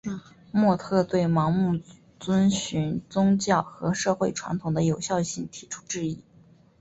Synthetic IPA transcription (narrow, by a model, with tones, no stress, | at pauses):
mwɔ˥˧t̪ʰɤ˥˧t̪we˥˩ɪmɑ˧˥ŋmu˥˩ | t͡swə˥nɕy˧˥nt͡sʊ˥ŋt͡ɕjɑ˥˩ʊxɤ˧˥ʂɤ˥˧xwe˥˩ɪʈ͡ʂʰwa̰˧˥nt̪ʰʊ˨˩ŋd̪ə˦jo˨˩ʊɕjɑ˥˧ʊɕi˥˩ŋt̪ʰi̥˨˧˥ʈ͡ʂʰu̥˥ʈ͡ʂɻ̩˥˧i˥˩